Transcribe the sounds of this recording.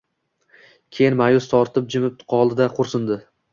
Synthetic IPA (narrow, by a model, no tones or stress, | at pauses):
kʲʰejɪnmajʊst̪ʰɒɾt̪ʰɪp̚d͡ʒɪmɪp̪̚qʰɒlˠɪd̪aqʰʊɾsɪnd̪ɪ